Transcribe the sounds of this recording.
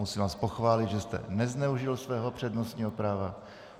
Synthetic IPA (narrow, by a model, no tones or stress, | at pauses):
usiːvaːspo̞xvaːlɪd̪ʒɛst̪ɛ̰nɛznɛuʒɪlsvɛːɦopr̝̥ɛdnost̪ɲiːɦo̞pɾaːva